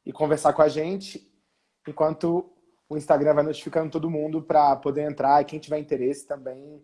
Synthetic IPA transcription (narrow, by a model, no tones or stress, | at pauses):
ɪkõveɾsaɾkõaʒẽnt͡ʃɪ | ẽkwɐ̃nt̪ʊ | ʊĩst̪aɡɾɐ̃vajnot͡ʃi̥fikɐ̃nd̪ʊt̪od̪ʊmũnd̪ʊpɾɐpod̪eɾẽnt̪ɾaɾikẽj̃t͡ʃivɛĩnt̪eɾesɪ̥t̪ɐ̃mbẽj̃